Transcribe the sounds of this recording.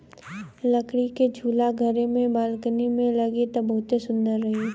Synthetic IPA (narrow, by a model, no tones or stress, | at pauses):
ləkɽiked͡ʒʱuːlaɡʱəɾemẽbaːlkənimẽlɐɡet̪ɐbɐɦʊt̪esʊ̃nd̪əɾːɐɦe